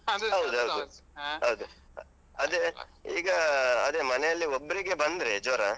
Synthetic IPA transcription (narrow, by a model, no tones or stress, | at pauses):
ɦɐwud̪uɦɐwud̪uɦɐwud̪u | ɐd̪eiːɡɐːd̪eːmɐnejɐlːiobːɐɾiɡe̞bɐnd̪ɾed͡ʒoːɾa